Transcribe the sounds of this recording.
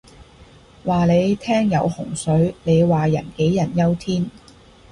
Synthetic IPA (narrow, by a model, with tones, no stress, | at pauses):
waː˨le˨˧jt̪ʰɛː˥ŋjɐ˨˧whʊ˨˩ŋsɵ˨˥ɥne˨˧jwaː˨jɐ˨˩nke˨˥jjɐ˨˩njɐ˥wt̪ʰiː˥n